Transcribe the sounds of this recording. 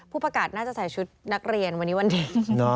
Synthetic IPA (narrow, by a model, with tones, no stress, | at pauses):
pʰuː˥˩pa˧kaː˨˩t̪̚naː˥˩t͡ɕa˨˩sʰaː˩˦t͡ɕʰu˦˥t̪̚na˦˥k̚ɾi˧ənwa˧nːiː˦˥wa˧ndiː˨˩nɔ˦